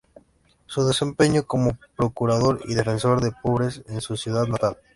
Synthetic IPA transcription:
suðe̞sẽ̞mpeɲokomopɾokuɾaðoɾḭðefe̞nsoɾðepoβɾesensusjuðaðnat̪al

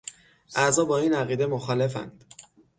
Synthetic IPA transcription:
ʔæzɒːbɒːiːnæɣiːd̪e̞moxɒːle̞fæ̰nd̪̥

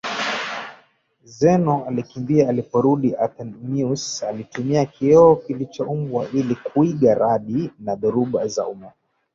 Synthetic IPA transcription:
zɛnɔalikimbiaːlipɔɾuɗiʔat̪ɛnmiusalitumiakʰiɔːkilit͡ʃaumbwaʔilikuiɠaɾʔaɗinaɗɔɾuɓaza̰uma

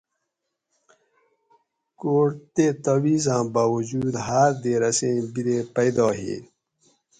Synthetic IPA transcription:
koːɽt̪et̪ɐwiːzãːbaːwud͡ʑuːd̪ɦaːɾd̪eːɾɐsẽːbiɾeːpɐjd̪ɑːɦḛː

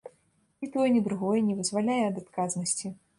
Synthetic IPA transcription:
nʲit̪ɔjɛnʲɛd̪ɾuɣɔjɛnʲɛvɨzvalʲajɛɐd̪at̪kaznɐsʲt͡sʲi

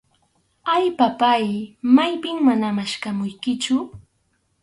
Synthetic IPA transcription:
ajpapajmajpɪŋmanamaʃkamʊjkɪt͡ʃʊ

